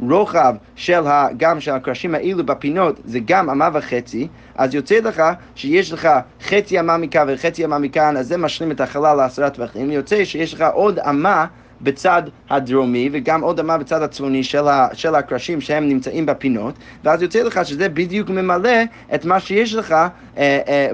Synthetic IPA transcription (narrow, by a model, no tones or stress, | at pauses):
ɹoχav | ʃɛlˠɦaɡamʃɛlhakɹaʃimhaʔilubapinotzɛɡamamavɪχɛt͡si | ʔazjot͡sɛlˠəχa | ʃəjɛʃləχaχɛt͡siamamikanvəχɛt͡siamamikanazːɛmaʃlˠimɛthaχalaləasaɹatvaχimjot͡sɛʃəjɛʃləχaʔoda̰ma | bət͡sadhadɹomivəɡamodamabət͡sadat͡svoniʃɛlˠaʃɛlˠakɹaʃimʃəhɛmnimt͡saʔĩmbapinot | vəazjot͡sɛlˠəχaʃəzɛbidjukməmalɛ | ɛtmaʃəjɛʃ̬ləχa